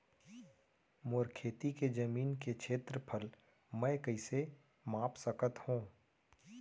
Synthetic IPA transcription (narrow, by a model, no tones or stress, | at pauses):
moːɾkʰeːt̪iked͡ʒəmiːnkekʃeːt̪ɾəpʰəl | mɛ̃ːkəɪse | mãːpsəkət̪hũː